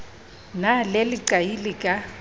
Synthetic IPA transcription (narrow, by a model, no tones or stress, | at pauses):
nalelɪǀajilɪkʼa